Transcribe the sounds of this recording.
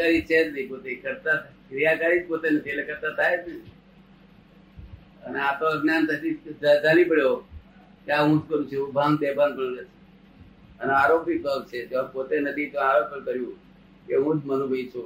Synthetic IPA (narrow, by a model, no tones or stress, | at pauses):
aɾit͡ʃʰet̪nəipot̪ekəɾt̪atkɾijakaɾid͡ʒpot̪enət̪ʰietlekʰəɾt̪at̪ʰajet̪nəi | əneat̪oəɡnjant̪əʃid͡ʒad͡ʒalipəɽjo | k̪jaɦũd͡ʒkəɾũt͡ʃʰeũbʱaŋd̪ebanpəɭnet͡ʃ̪ʰe̥ | əneaɾopibʱəʋt͡ʃʰed͡ʒeãpot̪enəd̪ʱit̪õaɾopəɾkəɾjũ | keɦũd͡ʒmənũbʱeit͡ʃʰu